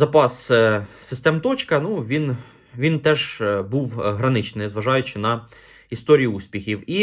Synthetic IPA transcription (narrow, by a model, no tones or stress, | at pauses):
zɐpɑssɪst̪ɛmt̪ɔt͡ʃkɐnuʋʲin | ʋʲint̪ɛʒbuwɦɾɐnɪt͡ʃnɪjzʋɐʒɑjʊt͡ʃɪnɐ | ist̪ɔɾʲijʊusʲpʲixʲiwi